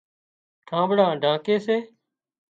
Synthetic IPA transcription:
ʈʰãːbɽãːɖʱãːkeːseː

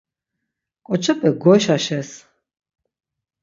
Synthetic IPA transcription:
kʼɔt͡ʃʰapʼɛɡɔʃaʃɛs

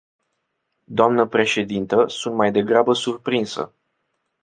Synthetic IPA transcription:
d̪oamnəpɾe̞ʃe̞d̪int̪əsunt̪majd̪e̞ɡɾabəsurpɾinsə̰

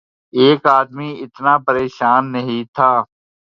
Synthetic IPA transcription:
eːkaːd̪miːɪt̪naːpəɾeːʃaːnːəɦĩːt̪ʰaː

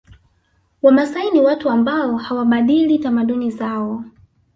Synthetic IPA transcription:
wamasainiwatuambaɔhawaɓaɗilitamaɗunizaɔ

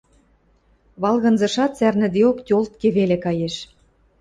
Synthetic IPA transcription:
βɑlˠɣɤ̆nzɤ̆ʃɑt̪t͡særnɘ̆d̪eoktʲolt̪̚kĕβelĕkɑjeʃ

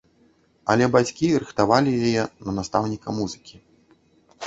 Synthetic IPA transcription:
ɐ̰lʲɛbat͡sʲkʲirɨxt̪avalʲijajɛnɐnast̪awnʲikɐmuzɨkʲi̥

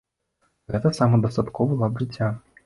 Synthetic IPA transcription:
ɣɛt̪əsamɐd̪ɐst̪at̪kɔvɐlˠabʐɨt͡sʲːa

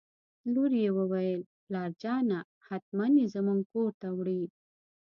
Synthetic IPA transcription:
luɾjewəwajəl | lɑːɾd͡ʒɑːna | hat̪̚manizəmuŋɡkoɾt̪awɽi

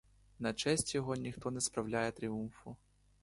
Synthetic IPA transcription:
nɐt͡ʃɛsʲtʲjɔɦɔnʲixt̪ɔnɛspɾɐwlʲajɛt̪ɾʲiunfʊ

